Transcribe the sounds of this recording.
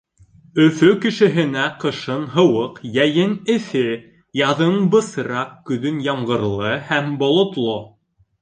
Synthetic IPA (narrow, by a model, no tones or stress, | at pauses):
ɵ̆fɵkɘ̆ʃɘ̆ɦɘ̆næqɤ̆ʃɤnɦɤ̆wɤqjæjɘnɘ̆θɘ | jɑðɤnbɤ̆sɾɑqkɵ̆ðɵnjɑmʁɤ̆ɾlˠɤhæmbŏlˠŏt̪lˠo